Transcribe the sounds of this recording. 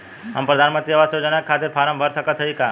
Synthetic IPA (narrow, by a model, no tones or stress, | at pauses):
ə̰mpɾəd̪ʱanmənt̪ɾiəʋasjod͡ʒənakkʰːat̪ɪɾpʰaɾəmbʱəɾsəkət̪ʰːəika